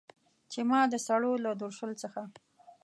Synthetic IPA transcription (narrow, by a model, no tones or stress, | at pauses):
t͡ʃemɑd̪əsaɽolad̪oɾʃəlt͡səxa